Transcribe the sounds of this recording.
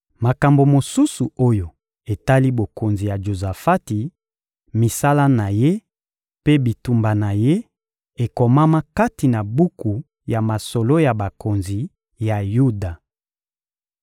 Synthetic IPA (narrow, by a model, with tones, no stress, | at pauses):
ma˨ka˨mbo˨mo˨su˦su˨o˦jo˨ | e˨ta˦li˦bo˨ko˨nzi˨ja˨ʒo˨za˨fa˦ti˨ | mi˨sa˦la˦na˨je˦ | pe˦bi˨tu˨mba˨na˨je˦ | e˨kɔ˨ma˦ma˦ka˦ti˨na˨bu˦ku˨ | ja˨ma˨so˨lo˦ja˨ba˨ko˨nzi˨ | ja˨ju˦da˨